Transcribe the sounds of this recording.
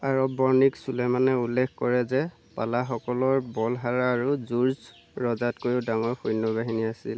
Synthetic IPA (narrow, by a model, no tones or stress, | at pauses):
aɹɔbɔɹniksulɛmanɛulːɛkʰkɔɹɛzɛ | pa̰laxɔkɔlɔɹbɔlɦaɹaːɹuzuɹs | ɹɔzatkojʊdaŋɔɹxojnːɔbaɦiniasil